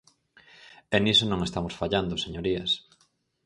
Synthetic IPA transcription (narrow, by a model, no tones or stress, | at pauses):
enisonõŋest̪amosfaʎand̪oseɲoɾiɐs